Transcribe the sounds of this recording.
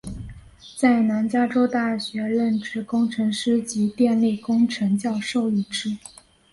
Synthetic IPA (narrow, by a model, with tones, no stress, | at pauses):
t͡sa˥˩ɪna˧˥nt͡ɕja˥ʈ͡ʂo˥ʊt̪a˥˩ɕɥɛ˧˥ɻə˥˩nʈ͡ʂɻ̩˥˩kʊ˥ŋʈ͡ʂʰɤ˧˥ŋʂɻ̩˥t͡ɕi˧˥t̪jɛ˥˧nli˥˩kʊ˥ŋʈ͡ʂʰɤ˧˥ŋt͡ɕjɑ˥˧ʊʂo˥˧ʊi˥˩ʈ͡ʂɻ̩˥